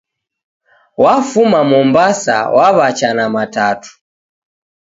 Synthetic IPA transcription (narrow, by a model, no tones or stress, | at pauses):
wafumamɔmbasa̰wʔaβat͡ʃanamatatu̥